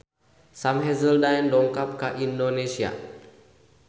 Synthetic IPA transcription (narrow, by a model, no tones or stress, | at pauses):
samɦɛzəldajɛndɔŋkap̚kaʔindonesia̰